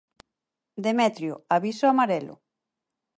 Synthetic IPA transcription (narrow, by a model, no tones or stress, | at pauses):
d̪emɛt̪ɾjʊ̰aβisoamaɾɛlʊ̰